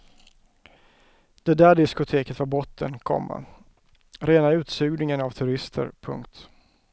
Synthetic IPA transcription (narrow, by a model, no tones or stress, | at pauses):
d̪̥ɛd̪æːɖɪskʊt̪ʰeːkət̪vaɾbɔt̪ʰːənkʰɔ̰mːa̰ | ɾeːnaʉ̟ːt̪sʉːɡnɪŋənavt̪ʰɵɾɪst̪ʰə̰ɾpʰɵ̰ŋkt̪